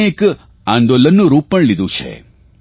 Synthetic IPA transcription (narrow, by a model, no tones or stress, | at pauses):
eːk | and̪oːlɐnːuɾuːpɐɳlid̪ut͡ʃʰḛ